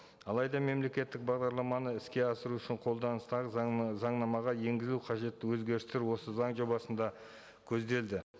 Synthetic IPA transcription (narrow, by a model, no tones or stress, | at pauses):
ɑlˠɑjd̪ɑme̞mle̞kʲe̞t̪ːɪk̚bɑʁd̪ɑɾlˠɑmɑnəɪskʲe̞ɑsəɾuʏʃɪɴqʰo̞lˠd̪ɑnəst̪ɑʁəzɑɴnɑmɑʁɑje̞ŋɡʲɪzluqʰɑʒe̞t̪ːɪwɵzɡʲe̞ɾɪst̪eɾwo̞səzɑɴʒo̞bɑsənd̪ɑ | kʲʰɵzd̪e̞ld̪ɪ